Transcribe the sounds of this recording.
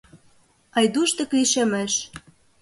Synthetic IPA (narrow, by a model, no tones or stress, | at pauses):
ɑjd̪uʃt̪ɤ̆kliʃĕmeʃ